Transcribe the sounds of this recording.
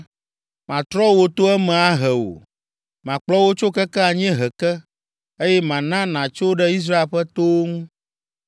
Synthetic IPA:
mã˨t̪ɾɔ˦wo˨t̪o˦ɛ˦mɛ̃˨a˦ɦɛ˨wo̰˨ | mã˨k͡plɔ˦wo˦t͡ʃo˦kɛ˦kɛ˦a˨ɲ˦ɛ̃˦ɦɛ˨kɛ˦ | e˦jɛ˦mã˨nã˦nã˨t͡ʃo˦ɖɛ˦i˦s̬ɾa˦e˨lɸɛ˦t̪o˦ŋũ˦

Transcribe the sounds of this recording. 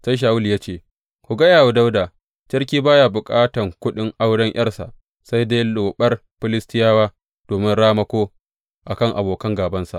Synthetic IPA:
sa˦jʃ̬aː˨wʊ˦li˨jaː˦t͡ʃeː˨ | kʷʊ˨ɡɐ˦jaː˨wu˦da˦wdaː˨ | t͡ʃɐ˦rk̬ʲiː˦baː˦jaː˨bʊ˨kʼaː˦tɐ˨ŋkʷʊ˦ɗɪ˦ŋʔa˦wɽɐ˦ŋj̰ɐ˦rsa̰˨ʔ | sa˦jdeː˦loː˨ɓɐ˦rɸɪ˦lɪ˦stɪ˦jaː˦waː˦ | d̥oː˨mɪ˦nɽaː˦mɐ˦kʷoː˦ | ʔa˨kɐ˦˨ŋʔa˨boː˨kɐ˦ŋɡaː˨bɐ˦nsa̰˨ʔ

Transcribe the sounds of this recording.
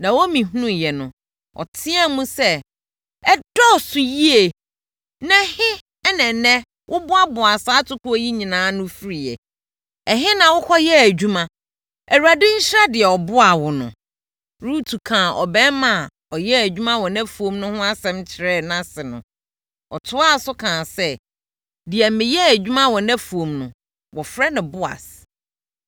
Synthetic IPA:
nã˨wo˦mĩ˨ɦu˦nũ˦jɛ˨nʊ̃˨ | ɔ̰˨tʰɪ̃˦ɛ˦mũ˦sɛ˦ | ɛ˦dɔ˦˨sʊ˨ji˦e˨ | nɛ̃˦hɪ˦ | ɛ˦nɛ̃˨nɛ̃˦ | wʔʊ˦bʊ˦a˦bʊ˨a˨saː˦tʰʊ˦kʰʊ˦ɔ˦ji˦ɲĩ˨nãː˨˦nʊ̃˦fi˦ɾi˨ɛ̰˨ | ɛ˨ɦɪ˦nã˨wʊ˦kʰɔ˦jɛ˦æ˨d͡ʑᶣu˦mã˦ | æ˨wu˨a˨dɪ˦ɲ̩˦ɕɪ˦ɾa˦dɪ˨ɛ˨ɔ˨bʊ˦a˨wʊ˨nʊ̰̃˨ | ɾu˦tʰu˨kʰãː˨ʔɔ̰˨bɛ̃˦mã˦˨ | ɔ˨jɛ˦æ˨d͡ʑᶣu˦mã˦wɔ˨nɛ̃˦fu˨õ˨mnʊ̃˦hʊ̃˦a˦sɛ̃˦mt͡ɕʰɪ˨ɾɛ˦˨nã˦sɪ˨nʊ̰̃˨ | ɔ̰˨tʰʊ˦a˦˨sʊ˦kʰãː˨sɛ˦ | dɪ˨ɛ˨˦mɪ̃˨jɛ˦æ˨d͡ʑᶣu˦mã˦wɔ˨nɛ̃˦fu˨o˨mnʊ̃˨ | wɔ˨fɾɛ˦nʊ̃˨bʊ˦a̰˨s

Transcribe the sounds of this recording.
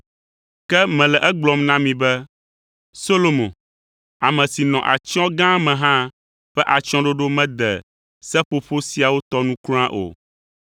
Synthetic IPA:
kɛ˦mɛ̃˨lɛ˨ʔɛ˦ɡ͡blɔ˨mnã˦mĩ˨bɛ˦ | so˦lo˨mõ˨ | a˨mɛ̃˨si˨nɔ̃˨ʔa̰˨t͡ʃɔ̃˦ɡã˦mɛ̃˨ɦã˦ | ɸɛ˦ʔa˨t͡ʃɔ̃˦ɖo˦ɖo˦mɛ̃˦d̪ɛ̰˨ | sɛ˦ɸo˦ɸo˦si˨a˨wo˦t̪ɔ˦nũ˦ku˦ã˦ʔo̰˨

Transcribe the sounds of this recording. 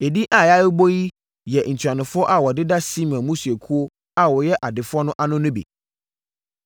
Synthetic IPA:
e˨di˦ʔa˨ja˦jɪ˦bo˦ji˦ | jɛ˨n̩˨t͡ɕʰᶣa˨nʊ̃˨fʊ˦ɔ˦ʔa˨wɔ˨dɪ˦da˦si˦m˨ã˨mũ˦su˨e˨kʰu˦o˦ | a˨wɔ˨jɛ˦ʔa˨dɪ˨fʊ˦ɔ˦nʊ̃˦ʔa˨nʊ̃˦nʊ̃˦bḭ˨

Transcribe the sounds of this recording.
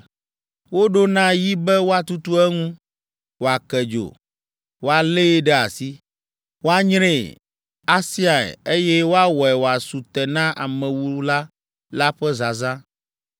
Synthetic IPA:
wo˦ɖo˦nã˦ji˦bɛ˦wo˦a˨t̪u˦t̪u˦ɛ˦ŋũ˦ | wo˨a˨kɛ˨d͡ʒo̰˨ | wo˦a˨le˦ɖɛ˦a̰˨si˦ | wo˦a˦ɲɾẽ˦˨ | a˦si˦a˨ɛ̰˨e˦jɛ˦wo˦a˦wɔ˨ɛ˨wo˨a˨su˨t̪ɛ˨nã˦ʔa̰˨mɛ̃˨wu˦la˦ | la˦ɸɛ˦za˨zã˦

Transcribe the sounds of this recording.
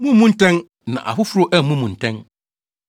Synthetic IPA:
mũ˦mũ˦n̩˦tʰɛ̃˦n | nã̰˨ʔa̰˨fʊ˦fʊ˦ɾo˦ʔɛ˦˨mũ˦mũ˨n̩˨tʰɛ̃˦n

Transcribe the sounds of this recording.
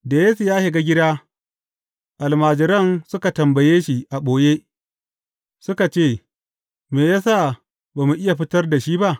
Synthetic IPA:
da˨je˦sʊ˨jaː˦hɪ˨ɡa˦ɡʲɪ˦daː˦ | ʔa˨lmaː˨d͡ʒɪ˨ɾɐ˦˨nsʊ˦ka˨tɐ˨mbɐ˨jeː˦ʃi˨ʔa˨ɓʷoː˨jeː˦ | sʊ˦ka˨t͡ʃeː˦˨ | meː˨jaː˦sa˦˨ | baː˨mu˨ʔɪ˦ja˨ɸɪ˦tɐ˦rda˨ʃiː˦ba˦ʔ

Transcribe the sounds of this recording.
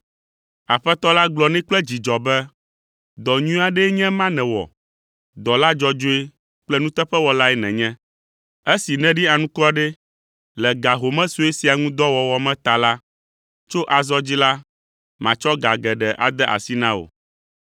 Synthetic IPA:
a˨ɸɛ˦t̪ɔ˦la˦ɡlɔ˨nɛ̃˦k͡plɛ˦d͡ʑi˨d͡ʒɔ˨bɛ˦ | d̪ɔ˨ɲũ˦a˦ɖɛ˦ɲɛ̃˦mã˦nɛ̃˨wɔ̰˨ | d̪ɔ˨la˦d͡ʒɔ˦d͡ʒo˦e˦ | k͡plɛ˦nũ˦t̪ɛ˦ɸɛ˦wɔ˨la˦ɛ˦nɛ̃˨ɲɛ̃˦ | e˦si˨nɛ̃˦ɖi˦a˨nũ˦kɔ˦ɖɛ˦ | lɛ˨ɡa˨ɦo˨mɛ̃˦su˦e˦si˨a˨ŋũ˦d̪ɔ˦wɔ˨wɔ˨mɛ̃˦t̪a˨la˦ | t͡ʃo˦ʔa˨zɔ˦d͡ʑi˦la˦ | mã˨t͡ʃɔ˦ɡa˨ɡɛ˨ɖɛ˨ʔa̰˨d̪ɛ˦ʔa̰˨si˦nã˦o̰˨

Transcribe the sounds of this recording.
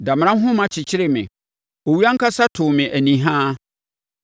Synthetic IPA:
dã˨m˨ɾ̃ã˦ɦʊ̃˦mã˨t͡ɕʰɪ˨t͡ɕʰɪ˦ɾɪ˨mɪ̰̃˨ | o˨wi˦a˦ŋ̩˦kʰa˦sa˦tʰʊ˨mɪ̃˨ʔæ˨nĩ˨ɦã˦

